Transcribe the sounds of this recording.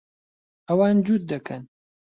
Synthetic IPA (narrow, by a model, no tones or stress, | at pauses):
ʔɐwaːnd͡ʒud̪̚d̪ːɐkʰɐn